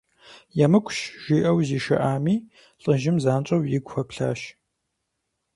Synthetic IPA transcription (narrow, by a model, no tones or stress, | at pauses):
jamɨkʷʰʃʒ̥iːʔɐwziːʃɐ̰ʔaːmiː | ɬʼɨʒɪmzaːnt͡ʃʼɐwjɪɡʷxɐpɬa̰ːʃ